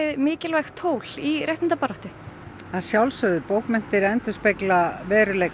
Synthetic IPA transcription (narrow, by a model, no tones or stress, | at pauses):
ɪðmɪːcɪlvajxt̪ʰoːwlirʔɛjht̪ɪnt̪apaɾɔht̪ɪ | aðsjawlsœðʏpoːwkmɛn̥t̪ɪɾɛnt̪ʏ̥speklavɛːɾʏlɛjk